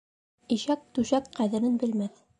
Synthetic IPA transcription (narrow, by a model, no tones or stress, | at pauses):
iʃæk̚t̪ʉʃækqæðɘ̆ɾɘnbɘ̆lmæθ